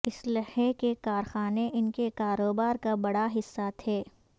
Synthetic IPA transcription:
ɪslɐhekekaːɾxaːneʔɪnkekaːɾoːbaːɾkabɐɽaɦɪsːat̪ʰeː

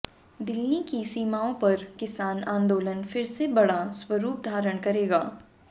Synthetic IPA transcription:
d̪ɪlnikisiːmaːõpɐɾkɪsaːnãːnd̪oːlənfɪɾsebɐɽaswɐɾuːp̚d̪ʱaːɾəɽ̃kɐɾeːɡaː

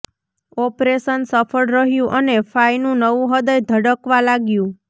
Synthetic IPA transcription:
ɔpɾeʃənsəfʰəɽɾəɦjũʔənefajnũnəʋũɦəd̪əjd̪ʱəɽəkʋãlaɡjũ

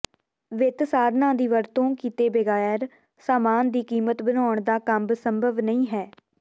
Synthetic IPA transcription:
ʋɪt̪saːɾnãːd̪iːʋəɾt̪õːkiːt̪eːbeɡaːjəɾ | saːmaːnd̪iːkiːmət̪bənaːɳd̪aːkəmbsəmbʱəʋnəĩːɦɛː

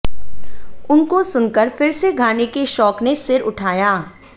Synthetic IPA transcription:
ʊnkosʊnkəɾfɪɾseɡʱaːnekeʃɔːknesɪɾʊʈʰaːjaː

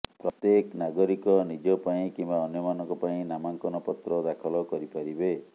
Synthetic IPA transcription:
pɾɔt̪jeknaɡɔɾikɔnid͡ʒɔpaĩkimbaɔnjɔmanɔ̃ŋkɔpaĩnamaŋkɔnɔpɔt̪ɾɔd̪akʰɔlɔkɔɾipaɾibe

